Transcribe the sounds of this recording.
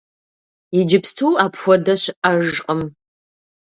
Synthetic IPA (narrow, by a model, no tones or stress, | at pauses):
id͡ʒɪpstʰuːaːpxʷɔdɐɕʔaʒqʼəm